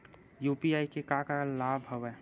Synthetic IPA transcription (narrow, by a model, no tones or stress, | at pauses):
juːpiaːikekakalaːbʱɦoʋɛː